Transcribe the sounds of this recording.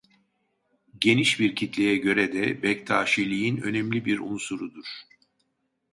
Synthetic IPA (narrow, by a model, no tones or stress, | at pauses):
ɟe̞niʃbiɾcʰit̪lʲejɛɟø̞ɾɛd̪ɛbɛct̪ʰaːʃilʲijinø̞̰nɛmlʲibiɾunsuɾud̪uɾ̥